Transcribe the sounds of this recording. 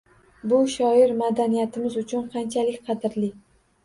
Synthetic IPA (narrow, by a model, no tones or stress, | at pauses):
bʊʃɒɪɾmad̪anijat̪ʰɪmɪzʊt͡ʃʰʊnqʰɑnt͡ʃʰalɪkʲqʰɑd̪ɪɾlɪ